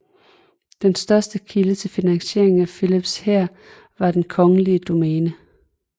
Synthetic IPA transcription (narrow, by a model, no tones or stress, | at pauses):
d̥ensd̥ɶɐsd̥əkʰilət͡sʰe̝lfinæŋɕe̝̰ɐ̰e̝ŋ̩æfilib̥sheɐ̰ | ʋɑ̈d̥enkʰɒ̽ŋəliəd̥o̝mɛːnə